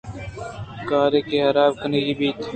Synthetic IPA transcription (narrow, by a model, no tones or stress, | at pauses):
kaːɾeːkeːɦɐɾaːbkʰəneːɦiːbiːt̪